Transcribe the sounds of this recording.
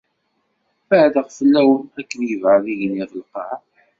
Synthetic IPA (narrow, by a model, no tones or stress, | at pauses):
fəʕðəʁfəlːæwənækːənjəvʕəðiʝənːiðəlqɑ